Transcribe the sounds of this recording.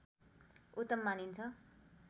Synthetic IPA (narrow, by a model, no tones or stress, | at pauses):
ut̪ʌmːanint͡sʰʌ